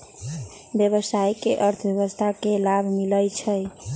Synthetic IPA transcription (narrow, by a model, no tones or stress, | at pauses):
bjəβəsajkeʔəɾt̪ʰəbjəβəst̪ʰakelabʱmilət͡ʃʰəj